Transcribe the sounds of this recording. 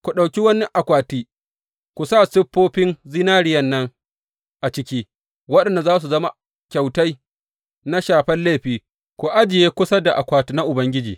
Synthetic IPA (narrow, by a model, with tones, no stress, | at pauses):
kʷu˨ɗa˨kʲi˦wɐ˦nːɪ˦ʔa˨kʷaː˨tiː˦ | kʷu˨sa˦˨sɪ˦ɸːoː˦ɸɪ˦nzɪ˦naː˦ɾɪ˦jɐ˦nːɐ˦ŋ | ʔa˨t͡ʃɪ˦kʲiː˦ | wɐ˦ɗɐ˨nda˨zaː˦s̬u˨zɐ˦ma˨ | kʲa˨wta˦j | na˦ʃaː˨ɸɛ˦nleː˦˨ɸiː˦ | kʷu˨ʔa˦d͡ʒɪ˨jeː˦kʷʊ˦sɐ˦da˨ʔa˨kʷaː˨ti˦na˦ʔʊ˨bɐ˦ŋɡʲɪ˦d͡ʒḭː˨